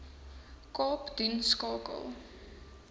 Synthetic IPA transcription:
kɑːpd̥inskɑːkə̰lˠ

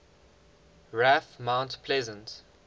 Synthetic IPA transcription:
ɹæfmãʊ̃ntpʰlɛzə̃nt

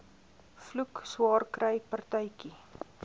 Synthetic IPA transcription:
flukswɑːrkrəjpɐrtəjki

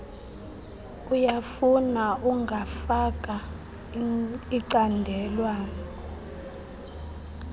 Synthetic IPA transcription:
ujafunauŋɡʱafak̬ʼa | iǀandʱɛlwaːnɔ

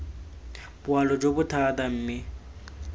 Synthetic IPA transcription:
bʊalɔd͡ʒobʊtʰatam̩ːmɪ

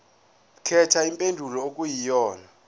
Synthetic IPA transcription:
kʰɛtʰaimpʼendʱulɔokʼujijɔːna

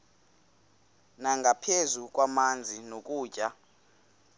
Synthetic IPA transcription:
naŋɡʱapʰezukʼwamand͡zʱinokʼuːt͡ʃʼa

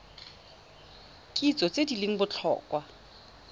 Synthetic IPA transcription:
kʼit͡sʼɔt͡sʼedileŋ̩bʊt͡ɬʰɔ̰ːkʼwa

